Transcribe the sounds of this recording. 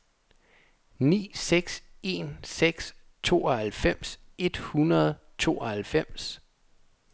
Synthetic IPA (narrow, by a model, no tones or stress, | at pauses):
nḭːseɡ̥se̝nseɡ̥s | t͡sʰo̝̰ːɐhælfem̰se̝d̥hunɐð̞ˠ | t͡sʰo̝̰ːɒhælfem̰s